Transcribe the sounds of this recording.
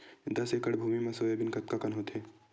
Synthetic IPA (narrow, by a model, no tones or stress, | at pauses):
d̪ɐsekəɽbʱuːmimɐ̃soːjebɪnkɐt̪̚kakɐnɦot̪eː